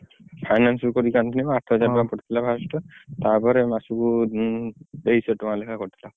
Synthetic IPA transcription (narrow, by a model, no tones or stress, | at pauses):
pʰajnanskɔɾikant̪ʰinibɔaʈʰɔɦɔd͡ʒamapɔʈʰi̥t̪ʰilabʱasʈɔt̪apɔɾɛmasuku | d̪eisɛtʊmalekʰakoɾit̪ʰila